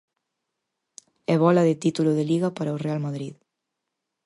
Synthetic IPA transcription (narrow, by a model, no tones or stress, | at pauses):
ɛβ̞ɔlɐðet̪it̪uloðeliɣapaɾaorealmaðɾið